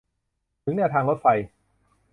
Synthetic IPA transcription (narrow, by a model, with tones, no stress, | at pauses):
t̪ʰɯ˩˦ŋnɛː˧wt̪ʰaː˧ŋɾo˦˥fa˧j